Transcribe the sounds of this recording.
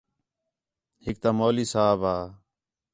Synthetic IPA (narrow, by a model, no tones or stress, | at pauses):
hɪk̚t̪aːmoːliːsaːbaː